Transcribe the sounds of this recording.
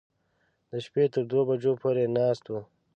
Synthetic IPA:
d̪əʃpet̪əɾd̪wobad͡ʒopʰoːɾenɑːst̪wu

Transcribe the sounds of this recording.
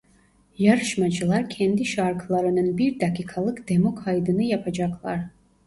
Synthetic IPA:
jaɾɯʃmad͡ʒɯlˠaɾcʰɛnd̪iʃaɾkʰlˠaɾɯnɯnbiɾd̪akʰikʰalˠɯkd̪̥emokʰajd̪ɯnɯjapʰad͡ʒɑkʰlˠɑɾ

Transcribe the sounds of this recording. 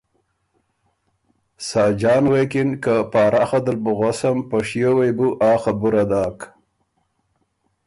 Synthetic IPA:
sɑːd͡ʒɑːnwekɪnkapɑːɾʔaxad̪əlbuɣosampɐʂjowejbuʔɑːxabuɾad̪aːk

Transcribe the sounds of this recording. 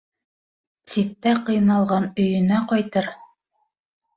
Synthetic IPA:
sit̪ːæqɤ̆jnɑlˠʁɑnɵ̆jɵ̆næqɑjt̪ɤɾ

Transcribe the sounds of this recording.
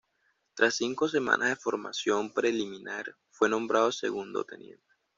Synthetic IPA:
t̪ɾʔasːiŋko̞se̞mã̰nʔazðefo̞ɾma̰sjo̞mpɾe̞limĩnʔaɾ | fwe̞nõ̞mbɾʔað̞osḛɣund̪o̰t̪ḛnjḛnt̪e

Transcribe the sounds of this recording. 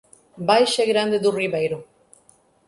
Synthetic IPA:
bajʃeɡɾand̪ed̪uriβajɾu

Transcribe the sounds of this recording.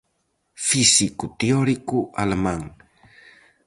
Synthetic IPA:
fisikut̪eoɾikuʔa̰lemaŋ

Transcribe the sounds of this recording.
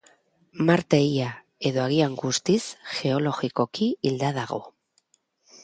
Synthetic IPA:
maɾt̪e̞ia | e̞ðo̞aɣ̞iaŋɡust̪isxe̞o̞lo̞ɣiko̞kiild̪aðaɣ̞o̞̰

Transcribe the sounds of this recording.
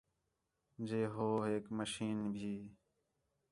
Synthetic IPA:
d͡ʒeːɦoːɦeːkməʃiːnbʱiː

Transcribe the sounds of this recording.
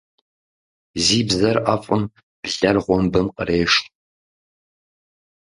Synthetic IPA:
ziːbzɐrʔafʼʊm | b̥ɮɐrʁʷɔmbɨmqə̰reːʂ

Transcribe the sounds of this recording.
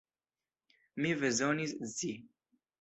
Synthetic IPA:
mivɛzonizzi

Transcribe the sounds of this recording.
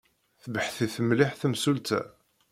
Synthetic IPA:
θəbəħθiθəmliħθəmsult̪æ̰

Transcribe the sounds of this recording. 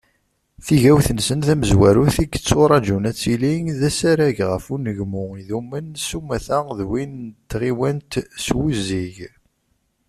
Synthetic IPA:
θiʝæwθənsənθæməzwæɾuθiɡə̥t͡sːoɾˤɑd͡ʒunæt͡sːiliŋðæsæɾæʝʁəfunəʝmʊiðumːənsumæθæðwint̪ːʁiwænt̪swuziʝ

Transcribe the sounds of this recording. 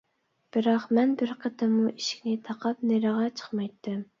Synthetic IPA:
b̥ɪɾɑqmɛnbɪɾqʰət̪ʰɨmuʔiʃi̥kʲnɪt̪ʰɑqʰɑp̚neɾəʁɑt͡ʃʰə̥χmɑjt̪ʰːɨm

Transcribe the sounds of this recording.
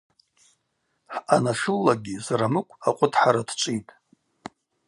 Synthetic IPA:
ħanaʂɨlːaɡʲizaɾamɨkʷʼaqʷʼʊtʰħaɾadt͡ʃʷʼijtʼ

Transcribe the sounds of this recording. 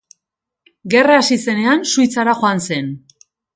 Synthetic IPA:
ɡe̞raːsise̞ne̞ansujt͡saɾaxoanse̞n

